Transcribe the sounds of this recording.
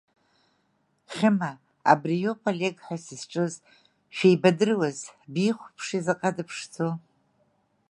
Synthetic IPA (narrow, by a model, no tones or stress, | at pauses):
χʲɪma | a̰brijopʰolʲeɡħʷasizʈ͡ʂʼɨz | ʃᶣejbadɨrwazbiχʷpʰʂizaqʼadɨpʰʂt͡so